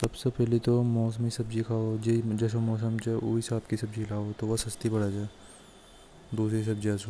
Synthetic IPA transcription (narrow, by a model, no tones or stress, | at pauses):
sɐbsepɛɦlit̪omɔːs̬əmisɐbd͡ʒikʰaːod͡ʒed͡ʒɐs̬omɔːs̬əmt͡ʃeʔuːisaːp̪kisɐbd͡ʒilaːot̪oʋɐsɐst̪ibɐɽad͡ʒaːe | d̪uːsɾes̬ɐb̚d͡ʒiɐso